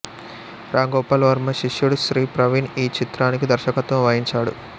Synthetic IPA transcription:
ɾʔaːŋɡɔːpaːlʋɐɾmɐʃiʂjuɽuʃɾiːpɾɐʋiniːt͡ʃit̪ɾaːnik̬id̪ɐɾʃɐkɐt̪ʋɐmʋɐjiɲt͡ʃaːɽṵ

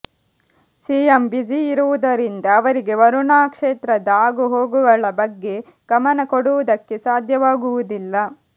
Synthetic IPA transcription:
siːjɐmbid͡ʒiːɾuʋud̪ɐɾind̪ɐːʋɐɾiɡe̞ʋɐɾuɳaːkʂeːt̪ɾɐd̪aːɡuɦo̞ːɡuɡɐɭɐbɐɡːe̞ | ɡ̥ɐmɐnɐkoɽuʋud̪ɐkːe̞saːd̪ʱjɐʋaːɡuʋud̪ilːɐ

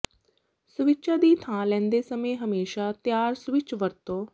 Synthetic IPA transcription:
sʊʋɪt͡ʃaːd̪iːt̪ʰãːlɛ̃ːnd̪eːsəmẽːɦəmeːʃaːt̪jaːɾsʋɪt͡ʃʋəɾt̪õː

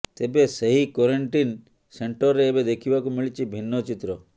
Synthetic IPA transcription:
t̪ebeseɦikɔɾeɳʈin | seɳʈɔɾːeːbed̪ekʰibakumiɭit͡ʃʰibʱinːɔt͡ʃit̪ɾɔ

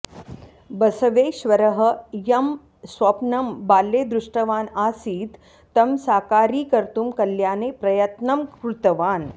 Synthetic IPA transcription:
bɐsɐʋeːʃʋɐɾɐɦɐ̆jɐm | sʋɐpnɐmbaːlːeːd̪ɾuʂʈɐʋaːnaːsiːt̪ː | ɐmsaːkaːɾiːkɐɾt̪umkɐljaːneːpɾɐjɐt̪nɐmkɾut̪ɐʋaːn

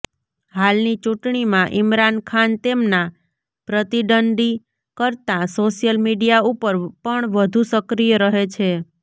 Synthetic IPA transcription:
halnit͡ʃũʈɳimãʔɪmɾankʰant̪emna | pɾət̪iɖəɳɖi | kəɾt̪ãsoʃjəlmiɖijaupəɾpəɳʋəd̪ʱusəkɾijəɾəɦet͡ʃʰe

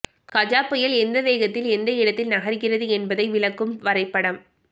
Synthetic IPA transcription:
kɐd͡ʒaːpːɐjɐlɛnd̪ɐʋeːɣɐt̪ːɪlɛnd̪ɐɪɽɐt̪ːɪlnɐɣɐɾɣɪrɐðɯɛnbɐðɐɪʋɪlɐkːɯmʋɐɾɐɪpːɐɽɐm

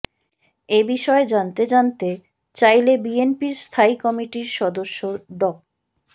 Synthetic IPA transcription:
ebiʃɔed͡ʑant̪ed͡ʑant̪e | t͡ɕajlebienpiɾst̪ʰaikɔmiʈiɾʃɔd̪oʃːoɖɔk̚

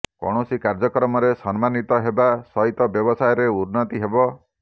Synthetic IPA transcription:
kɔ̰ɽ̃ɔsikaɾd͡ʒɔkɾɔmɔɾesɔnmanit̪ɔɦebasɔit̪ɔbjɔbɔsajɔɾeuɾnɔt̪iɦebɔ

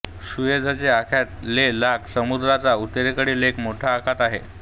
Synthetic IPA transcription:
ɕujed͡zʱat͡ɕeakʰat̪lelaksəmud̪ɾat͡saut̪eɾekəɽiːlekmoʈʰaːkʰat̪aɦḛ

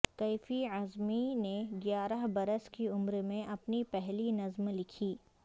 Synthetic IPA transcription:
kɐɪfiɐzmineɡjaːɾəɦbɐɾəskiʊmɾmẽʔɐpnipɛɦlinɐzmlɪkʰiː

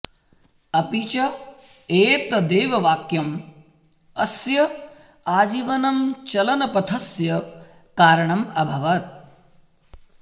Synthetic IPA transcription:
ɐpiːt͡ʃɐ | eːt̪ɐd̪eːʋɐʋaːkjɐm | ɐsjɐ | aːd͡ʒiʋɐnɐmt͡ʃɐlɐnɐpɐt̪ʰɐsjɐ | kaːɾɐɳɐmɐbʱɐʋɐt̪̚

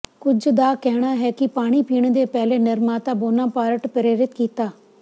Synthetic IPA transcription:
kʊd͡ʒd̪aːkɛːɽ̃aːɦɛːkɪpaːɽ̃iːpiːɳ̃d̪eːpɛːleːnɪɾmaːt̪ãːboːnãːpaːɾəʈpəɾeːɾɪt̪kiːt̪aː

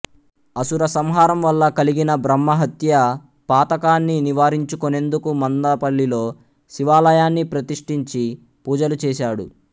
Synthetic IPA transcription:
ɐsuɾɐsɐmɦaːɾɐmʋɐlːɐkɐliɡinɐbɾɐmːɐɦɐt̪jɐ | paːt̪ɐkaːnːiniʋaːɾiɲt͡ʃukone̞nd̪ukumɐnd̪apɐɭːilo̞ː | ʃiʋaːlɐjaːnːipɾɐt̪iʂʈiɲt͡ʃi | puːd͡ʒɐlut͡ʃɛːʃaːɽṵ

